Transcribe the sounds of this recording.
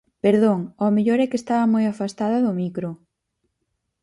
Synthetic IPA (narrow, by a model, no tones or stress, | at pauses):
peɾðoŋomeʎoɾɛkest̪aβɐmojafast̪aðɐðʊmikɾo